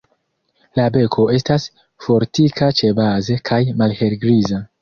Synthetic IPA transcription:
labe̞kʰo̞e̞stas | fo̞ɾtikat͡ʃe̞baze̞kʰajmalhe̞lɡɾiza

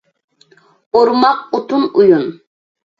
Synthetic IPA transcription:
oɾmɑqut̪unujun

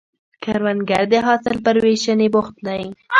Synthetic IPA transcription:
kaɾwanɡaɾd̪eɦɑsɪlpəɾweʃanebʊxt̪laji

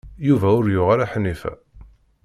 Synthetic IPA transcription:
juvæʊɾjʊʁaɾaħnifæ̰

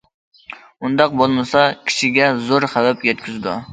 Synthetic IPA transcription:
und̪ɑq̚bolˠmɨsɑkʲʰi̥ʃɪɡʲɛzoɾχɛvæpjɛt̪kʲʰyzd̪ʊ̰

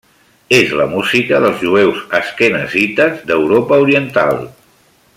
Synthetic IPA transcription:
ezləmuzikəðəlˠzʒuewzəskɛnəzit̪əzd̪əwɾopəuɾiənt̪a̰lˠ

